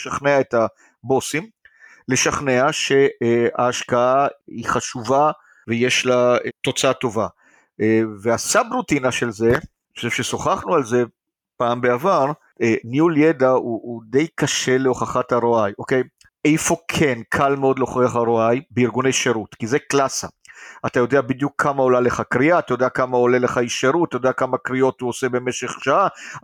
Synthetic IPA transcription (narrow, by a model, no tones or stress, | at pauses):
eʃaχneaeta | bo̞sim | le̞ʃaχneaʃe̞a̰ːʃkaaiχaʃuva | vejeʃlato̞t͡saat̪o̞va | eveasabʁutinaʃe̞lze̞ | o̥ʃevʃeso̞χaχnualze̞ | paːmbeavaʁ | enjuljedauʔːd̪e̞jkaʃe̞leo̞χaχathaʁoajo̞ke̞j | ʔejfo̞kʰe̞nkʰalmeo̞d̪leoχiaχaʁoajbeiʁɡunejʃeʁutkizeklasa | atajo̞d̪eabid̪jukʰːamao̞laleχakʁiaːt̪ajod̪eakamao̞leleχaiʃeʁutatajodeakamakʁio̞tuose̞be̞meʃe̞χʃaa